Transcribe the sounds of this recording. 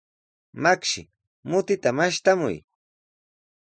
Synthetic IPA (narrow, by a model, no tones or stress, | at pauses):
makʃɪ̰ | mʊt̪ɪt̪amaʃt̪amʊ̰j